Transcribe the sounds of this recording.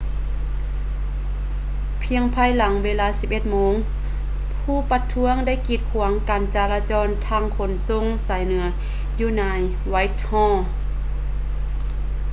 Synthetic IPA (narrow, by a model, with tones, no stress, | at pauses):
pʰi˧əŋpʰaː˧˥˨jla˩˦ŋweː˧laː˧˨siː˨˦p̚ʔe˧˩t̪̚moː˧˥ŋ | pʰuː˧˩˨pa˧t̪ʰːu˧˥əŋda˥˨jkiː˧˩t̪̚kʰu˨˩˦əŋkaː˨˩nt͡ɕaː˧˩laː˧t͡ɕɔː˧˥nt̪ʰaː˧˥˨ŋkʰo˨˦nso˧˥˨ŋsaː˨˦jnɯ˨˩˦ɐ | juː˧˩naː˧˥j | wa˧˥jt̪̚hɔ̃ː˧˥˨